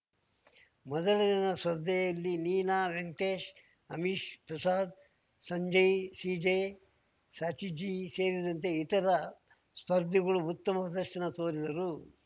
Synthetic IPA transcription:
mɔd̪ɐlɐd̪inɐsʋɐɾd̪ʱɛjɐlːiniːnaːʋeŋt̪eːʃ | ɐmiʃpɾɐsaːd̪̚ | sɐɲd͡ʒɐjsiːd͡ʒe | saːt͡ʃid͡ʒiːse̞ːɾid̪ɐnt̪e̞it̪ɐɾɐ | spɐɾd̪ʱːiɡɐɭuut̪ːɐmɐpɾɐd̪ɐɐnɐt̪oːɾid̪ɐɾu

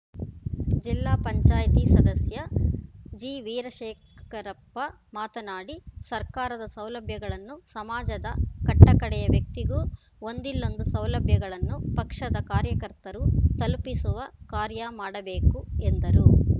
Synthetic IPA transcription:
d͡ʒilːaːpɐɲt͡ʃaːjt̪isɐd̪ɐsjɐ | d͡ʒiːʋiːɾɐʃeːkkɐɾɐpːɐ | maːt̪ɐnaːɽisɐɾkaːɾɐd̪ɐsɐwlɐbʱjɐɡɐɭɐnːusɐmaːd͡ʒɐd̪ɐkɐʈːɐkɐɽɛjɐʋjɐk̚t̪iɡuː | ond̪ilːo̞nd̪usɐwlɐbʱjɐɡɐɭɐnːupɐkʂɐd̪ɐkaːɾjɐkɐɾt̪ɐɾut̪ɐlpisuʋɐkaːɾjɐmaːɽɐbe̞ːkuend̪ɐɾu

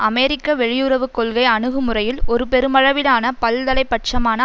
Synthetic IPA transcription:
ʔɐmɛːɾɪkːɐʋɛɻɪjɯrɐʋɯkːɔɭɣɐɪɐɳɯɣɯmɯrɐjɪlɔɾɯpɛɾɯmɐɻɐʋɪlaːnɐpɐld̪ɐlɐɪpːɐʈ̚t͡ʃɐmaːnɐ

